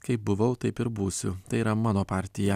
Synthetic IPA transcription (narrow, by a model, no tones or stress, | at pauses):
kɐɪp̚bʊʋɐʊt̪ɐɪpɪɾbuːsʲʊt̪ɐɪiːɾɐmɑːnoːpɑːɾʲt̪ʲɪjɛ